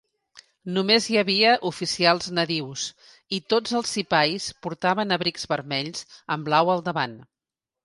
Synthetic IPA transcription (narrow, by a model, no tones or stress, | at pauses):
numezjəβiəʔufisialˠznəðiws | it̪od͡zəlˠsːipajspuɾt̪aβənəβɾikzβəɾmɛʎzəmblawəlˠd̪əβan